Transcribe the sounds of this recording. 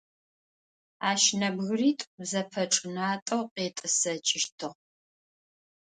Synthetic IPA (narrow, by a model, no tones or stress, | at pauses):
aːʃnɐbɣriːtʼbzɐpʰɐʈ͡ʂʼɨnaːtʼɐwqeːtʼɨsɐt͡ʃʼɪʃtʰɨʁ